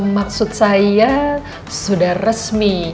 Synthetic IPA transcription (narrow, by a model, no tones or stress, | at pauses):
mak̚sut̪̚saa | sudahrəsmi